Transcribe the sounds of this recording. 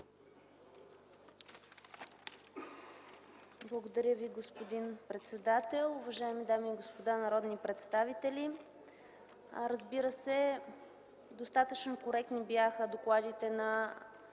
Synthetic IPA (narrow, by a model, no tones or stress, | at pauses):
blˠəɡod̪ɐɾʲjəviɡospod̪inpɾɛt̪sɛd̪at̪ɛlˠʊvɐʒaɛmid̪amiːɡospod̪anɐɾɔd̪nipɾɛt̪st̪avit̪ɛli | ɾəzbiɾəsɛ | d̪ost̪at̪ət͡ʃnokoɾɛk̚t̪nibjaxəd̪oklˠad̪it̪ɛnɐ